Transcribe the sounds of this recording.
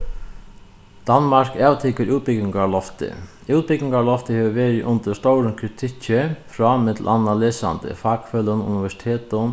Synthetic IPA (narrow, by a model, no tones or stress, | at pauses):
d̪̥anmaɾkaːwt̪ʰɪːkəɾʔuːt̪̚pɪk̪ɪŋkalɔft̪ɪ̰ | uːt̪̚pɪknɪŋkalɔft̪ɪhɛːʋəʋeːɾɪʔʊnt̪əst̪owɾənkʰɾɪt̪ʰɪt͡ɕɪfɾɔmɛt̪l̩ʔanːaleːsa̰nt̪ɪ̰faːkføːlənṵnɪʋɛʂɪ̥t̪ʰeːt̪ʊn